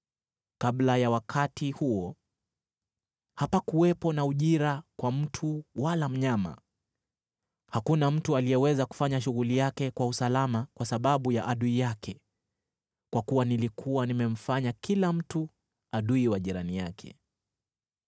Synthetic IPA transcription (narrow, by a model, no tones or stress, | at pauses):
kaɓlajawakʰatihuɔ | hapakuwɛpɔnauʄiɾakwam̩tʰuwalam̩ɲama̰ | hakunam̩tualijɛwɛzaku̥faɲaʃuɣulijakɛkwausalamakwasaɓaɓujaʔaɗuijakʰɛ | kwakuwanilikʰuwanimɛm̩faɲakilam̩tu | aɗuiwaʄiɾanijakʰɛ̰